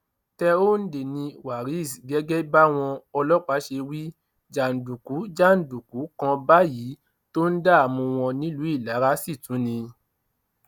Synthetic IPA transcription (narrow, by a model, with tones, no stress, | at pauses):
tɛ˧o˦n̩˦de˨nĩ˧wa˨ɾi˨˦i˦˨s̬i˨ɡɛ˨˦ɡɛ˦ba˦w̃ɔ̃˧ɔ˧lɔ˦k͡pa˨˦ʃe˧wi˦ | d͡ʒa˨n̩˨du˨ku˨˦d͡ʒa˦˨n̩˨du˨ku˨˦kã˧ba˦ji˨˦ | to˦n̩˦da˦a˨mũ˧w̃ɔ̃˧nĩ˦lu˨˦i˦˨la˨˦ɾa˦si˦˨tũ˨˦nĩ˧